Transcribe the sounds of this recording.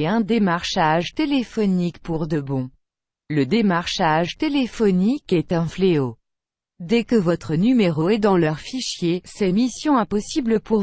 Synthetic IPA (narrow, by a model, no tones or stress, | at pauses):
ɛ̃d̪emaʁʃaʒt̪elefɔnikpuʁd̪əbɔ̃ | ləd̪emaʁʃaʒt̪elefɔnikɛt̪ɛ̃fleo | d̪ɛkəvɔt̪χənymeʁoɛd̪ɑ̃lœʁfiʃjesɛmisjɔ̃ɛ̃pɔsibləpuʁ